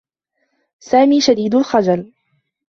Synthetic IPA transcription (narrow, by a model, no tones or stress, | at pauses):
saːmiːʃad̪iːd̪ʊlxad͡ʒal